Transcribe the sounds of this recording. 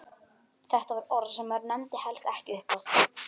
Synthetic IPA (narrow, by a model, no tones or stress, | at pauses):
θɛht̪avaɾɔɾðsɛmːaɾnɛmt̪ɪhɛlst̪ɛhcɪʏhpaθ